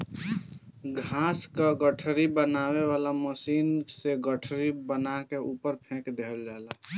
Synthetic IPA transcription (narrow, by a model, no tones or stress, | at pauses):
ɡʱãːskaɡəʈʰɾibənaːweʋaːlaməsiːnseɡəʈʰɾibənakeʔuːpəɾpʰẽːkd̪eld͡ʒala